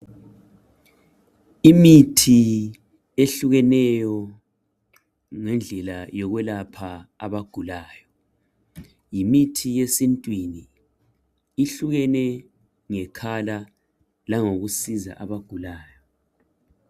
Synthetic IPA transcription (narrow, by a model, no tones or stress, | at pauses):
imitʰi | eɬuɣɛnɛjɔ | ŋɛnd͡ɮʱɛlajɔɣwɛlapʰaa̰βaɡ̥ʱulaːjɔ | jimitʰijesintʼwini | ɬuɣɛnɛ | ŋɛkʰala | laŋoɣusiza̰ʔaβaɡ̥ʱulaːjɔ